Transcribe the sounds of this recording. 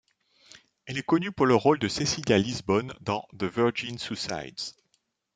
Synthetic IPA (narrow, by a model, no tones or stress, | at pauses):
ɛlɛkɔnypuʁləʁold̪əsesiljalizbɔnd̪ɑ̃ðəvœʁʒinsusa̰jd̪z̥